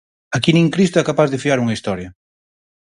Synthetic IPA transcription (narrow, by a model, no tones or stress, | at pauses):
akinĩŋkɾist̪oɛkapazðɪfiaɾuŋɐist̪ɔɾjɐ